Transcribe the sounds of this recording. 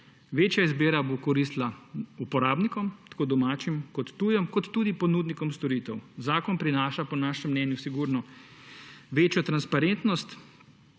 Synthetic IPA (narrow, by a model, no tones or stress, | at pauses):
ʋeːt͡ʃjaizbeːɾabokɔɾist̪laupɔɾaːbnikɔmt̪ḁkoːd̪ɔmaːt͡ʃimkɔt̪ːujɛmkɔt̪ːuːd̪ipɔnuːd̪nikɔmst̪ɔɾiːt̪ɛwzaːkɔnpɾinaːʃapɔnaːʃɛmːnɛnjusiɡuɾnɔ | ʋeːt͡ʃjɔt̪ɾanspaɾent̪nɔst̪